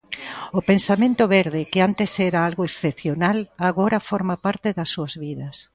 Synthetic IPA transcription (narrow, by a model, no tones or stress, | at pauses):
ʊpensamẽnt̪ʊβeɾðekɪant̪esɛɾaalɣoeksθepθjonalaɣoɾafoɾmapaɾt̪eðɐsːuɐzβiðɐs